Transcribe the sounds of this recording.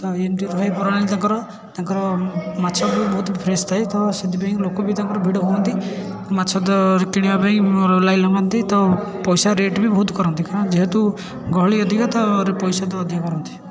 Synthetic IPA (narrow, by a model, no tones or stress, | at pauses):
t̪ɔemʈiɾɔɦepɔɾaɽ̃t̪aŋkɔɾɔ | t̪aŋkɔɾɔmat͡ʃʰabibɔɦut̪pʰɾest̪ʰajt̪ɔsed̪ipaĩklokɔbit̪aŋkɔɾɔbʱiɽɔɦuɔnt̪i | mat͡ʃʰɔd̪ɔɾikiɽ̃iapaĩlajlɔmant̪it̪ɔpɔjsaɾeʈbibɔɦut̪kɔɾɔnt̪ikãɔ̃d͡ʒeɦet̪u | ɡɔɦɭiɔd̪ʱikat̪ɔɾepɔjsad̪ɔːd̪ʱjakɔɾɔnt̪ʰi̥